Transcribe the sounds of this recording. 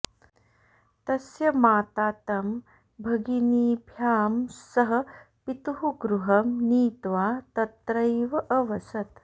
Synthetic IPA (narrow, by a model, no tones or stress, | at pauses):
t̪ɐsjɐmaːt̪aːt̪ɐm | bʱɐɡiniːbʱjaːmsɐɦɐ̆ | pit̪uɦuɡɾuɦɐmniːt̪ʋaːt̪ɐt̪ɾɐjʋɐʔɐʋɐsɐt̪